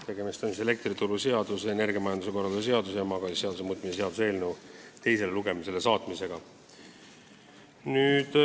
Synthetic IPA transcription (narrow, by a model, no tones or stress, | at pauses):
t̪e̞ɡ̥e̞mist̪emisele̞k̚t̪rit̪uɾuseɑd̪̥usene̞rɡijɑmɑjɑnd̪use̞ko̞rːɑld̪s̬e̞ɑd̪usjɑmɑɡɑse̞ɑd̪us̬mut̪ˑmisese̞ɑd̪useːlnewt̪e̞jse̞leluɡe̞mise̞le̞sɑːt̪mise̞ɡ̥ɑ | nyːd̪̥